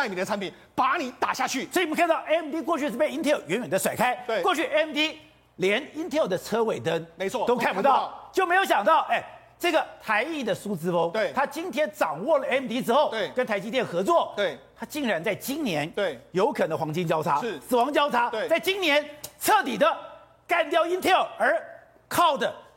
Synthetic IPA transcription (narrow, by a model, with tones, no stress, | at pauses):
na˥˩mi˨˩d̪ət͡sʰa˧˥npʰi˨˩˦n | pa˧˥ni˨˦t̪a˨˩ɕja˥˧t͡ɕʰy˥˩sɔ˧˥i˨˩˧m˧˦kʰa˥˧nt̪ɑ˥˩ʊʔɛ˥mt̪i˥k̬wɔ˥˧t͡ɕʰy˥˧ʂɻ̩˥˩pe˥˧ɪi˥nt̪ʰɛ˥˩˨ʊɥɛ˧˥nɥɛ˨˩nd̪ə˦ʂwa˨˩ɪkʰa˥ɪwe˥kwɔ˥˧t͡ɕʰy˥˩ʔɛ˥mt̪i˥ | ljɛ˧˥ni˥nt̪ʰɛ˥˧˨d̪ə˦t͡sʰɤ˥we˨˩ɪt̪ə˥nme˧˦ɔ˥˧t̪o˥ʊkʰa˥˩npu˧t̪ɑ˥˩ʊt͡ɕjo˥˩ʊme˧˥ɪjo˧˥ʊɕjɑ˨˩ŋt̪ɑ˥˩ʊʔɛ˥˩ | ʈ͡ʂɤ˥˩ɡə˩t̪ʰa˧˥ɪi˥˩d̪ə˩su˥t͡sɹ̩˥fɤ˥ŋ˧˩t̪ʰa˥t͡ɕi˥nt̪ʰjɛ˥nʈ͡ʂɑ˨˩ŋwɔ˥˩lə˩ɛ˥mt̪i˥ʈ͡ʂɻ̩˥xo˥˩ʊ˧˩kə˥nt̪ʰa˧˥ɪt͡ɕi˥t̪jɛ˥˩nxɤ˧˥t͡swɔ˥˩˥t̪ʰa˥t͡ɕi˥˩ŋɻa˧˥nt͡sa˥˩ɪt͡ɕi˥nnjɛ˧˥nt̪e˥˩jo˧˥ʊkʰɤ˨˩nə˧˥xwɑ˧˥ŋt͡ɕi˥nt͡ɕjɑ˥ʊt͡sʰa˥˧sɹ̩˨˩wɑ˧˥ŋt͡ɕjɑ˥ʊt͡sʰa˥˧t͡sa˥˩ɪt͡ɕi˥njɛ˧˥nt͡sʰɤ˥˧t̪i˨˩d̪ə˦ | ka˥˧nt̪jɑ˥ʊi˥nt̪ʰɛ˥˩ə˞˧˥ | kʰɑ˥˩ʊd̪ə˩